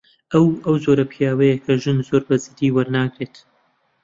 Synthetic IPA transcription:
ʔɐwɐwzoːɾɐpʰjaːwɐjɐkʰɐʒɨnzoːɾbɐzid̪iːwɐɾnaːɡɾet̪

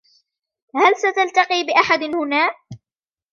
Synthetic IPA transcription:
halsat̪alt̪aqiːbɪʔaħad̪nhʊnaːʔ

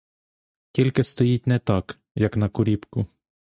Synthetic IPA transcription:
tʲilʲkɪst̪ɔjit̚ʲnɛt̪ɑk | jɐknɐkʊɾʲipkʊ

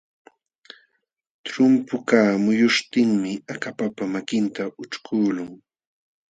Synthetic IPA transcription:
t̪ɾʊmpʊkaːmʊjʊʃt̪ɪŋmɪakapapamakɪnt̪aʔʊt͡ʃkʰuːlʊŋ

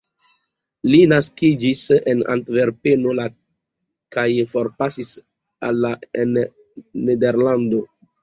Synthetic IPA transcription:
linaskid͡ʒisena̰ntve̞ɾpeno̞la | kajfo̞ɾpasis | a̰lːaen | nedeɾlando

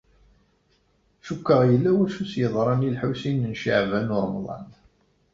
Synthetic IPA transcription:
ʃukːəʁjəlːæwæʃusjəðˤɾˤɑnilħusinənʃiʕvænʊɾˤmðˤɑ̰n

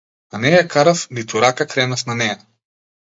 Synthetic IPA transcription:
anɛjakaɾafnit̪uɾakakɾɛnafnanɛja

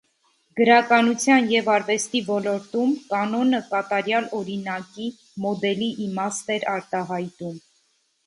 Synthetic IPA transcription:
ɡ̥əɾɑkɑnut͡sʰjɑnjɛvɑɾvɛst̪ivɔlɔɾt̪umkɑnɔnəkɑt̪ɑɾjɑlɔɾinɑki | mɔd̪ɛliʔːmɑst̪ɛɾɑɾt̪ɑɦɑjt̪um

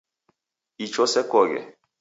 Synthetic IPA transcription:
it͡ʃɔsɛkɔɡɛ̰

